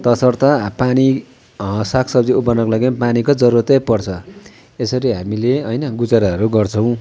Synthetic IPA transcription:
t̪ʌsʌrt̪ʌpani | sakʰsʌbd͡ziupʌnʌkolaɡimpanikod͡zʌɾuɾʌt̪apʌrt͡sʰʌ | esʌɾiɦamileʌjnʌɡud͡zaɾaɦʌɾuɡʌrt͡sʰʌw̃

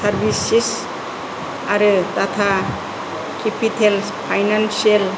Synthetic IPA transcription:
saɾbʱisis | aɾɯt̪at̪ʰa | kepitʰelspʰajnansel

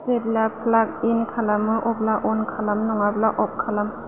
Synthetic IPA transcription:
seblapʰlak̚inkʰalamɯʔɔp̚laʔɔnkʰalamnɔŋablaʔɔp̚kʰːalam

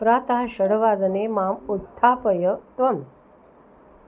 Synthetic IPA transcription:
pɾaːt̪aɦɕəɽʋaːd̪ɐnemaːmut̪ʰːaːpəjət̪ʋɐm

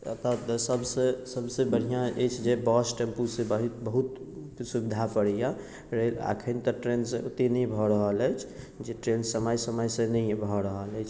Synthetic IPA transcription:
ə̰t̪at̪səbsẽsəbsebəɽ̤ijãet͡ʃʰd͡ʒebɔsʈempusẽbəɦut̪bəɦut̪ | subid̪ʱapəɽija | ɾɦila̰kʰənit̪ɔʈɾensẽot̪inəjbʱɔɾəɦələjt͡ʃʰ | d͡ʒeʈɾensəməjsəməjsẽnəjbʱɔɾəɦəlɛjt͡ʃʰ

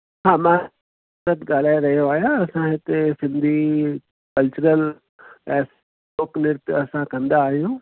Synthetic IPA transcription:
hãːmã | sət̪ɡaːl̤aːeɾɐɦijoaːɦjaɐsãɦɪt̪esɪ̃nd̪ʱi | kɐlt͡ʃʊɾəl | ɛ̃ːs | oknɪɾt̪ɐsãkɐ̃nd̪aːɦijũ

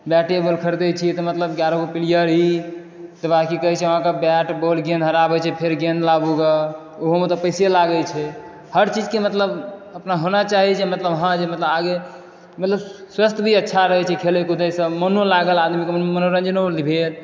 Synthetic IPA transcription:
bjaʈebəlkʰəɾd̪ɛt͡ʃʰit̪ɔmət̪ləbɡjaɾoɡopilijəɾɦi | t̪ɔbakikəɦɛt͡ʃʰɛəɦãkabjɛʈbolɡẽnɦəɾabɛt͡ʃʰɛpʰeɾɡẽnlabuɡa | oɦomet̪ɔpəjselaɡət͡ʃʰɛ | həɾt͡ʃid͡ʒkemət̪ləbəpnaɦonat͡ʃaɦit͡ʃʰɛmət̪ləbɦãd͡ʒemət̪ləbaɡe | mət̪ləbswəst̪ʰbʱiətːʃʰaɾəɦɛt͡ʃʰɛkʰelekud̪əjsəmənolaɡəlad̪mikemmənoɾə̃nd͡ʒnolibʱel

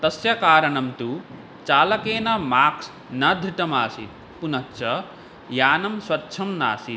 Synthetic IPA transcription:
t̪ɐsjɐkaːɾɐnɐmt̪u | t͡ʃaːlɐkeːnɐmaːks | nɐd̪ʱiʈɐmaːsḭ | punɐtːt͡ʃʰɐ | jaːnɐmswɐtːʃʰɐmna̰ːsi

